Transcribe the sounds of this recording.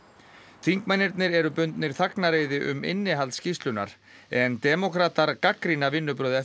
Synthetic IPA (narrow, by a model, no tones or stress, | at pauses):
θiŋkmajnːɪɾt̪nɪɾɛɾʏpʏnt̪nɪɾ̥θaknaɾeːjðɪʔʏ̰mɪ̰nːɪɦalt̪scist̪lʏna̰ɾ̥ | ɛnt̪ɛmɔkʰɾaːt̪aɾkakɾinavɪnːʏpɾœːwða